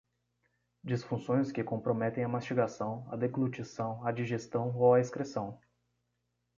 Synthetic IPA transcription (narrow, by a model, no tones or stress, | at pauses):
d͡ʒisfũsõj̃skɪkõmpɾomɛt̪ẽj̃ɐmast͡ʃiɡasɐ̃w̃ɐ̰d̪eklut͡ʃisɐ̃w̃ɐd͡ʒiʒest̪ɐ̃w̃owɐiskɾesɐ̃w̃